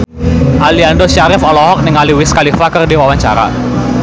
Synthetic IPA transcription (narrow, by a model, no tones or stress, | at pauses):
ʔaliandɔʃaɾɪfɔlɔɦɔk̚nɪŋaliwɪskalifakərdiwawaɲt͡ʃaɾa̰